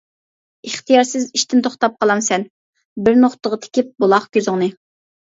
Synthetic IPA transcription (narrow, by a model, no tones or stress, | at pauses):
ɨχt̪ʰijɑɾsɪziʃt̪ɪnt̪ʰoχt̪ɑp̚qɑlˠɑmsɛn | bɪɾnoχt̪əʁət̪ʰe̥kʲip̚bolˠɑχkʲøzɪŋnɨ